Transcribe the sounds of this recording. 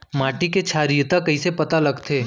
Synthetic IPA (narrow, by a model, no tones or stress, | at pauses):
maːʈiket͡ʃʰaːɾiːt̪akɐisepɐt̪alɐɡt̪ʰeː